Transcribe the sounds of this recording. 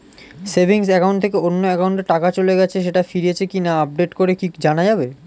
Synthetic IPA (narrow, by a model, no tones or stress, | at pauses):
sebʱiŋsɛkawɳʈt̪ʰekeonːoɛkawɳʈeʈːakat͡ɕoleɡɛt͡ɕʰeʃ̬eʈafiɾiet͡ɕʰekinaap̚ɖeʈkoɾekikd͡ʑanad͡ʑabe